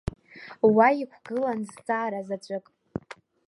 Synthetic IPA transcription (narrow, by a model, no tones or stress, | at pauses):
waikʷʰɡɨlanzt͡sʼaːɾazat͡ɕʷʼɨkʼ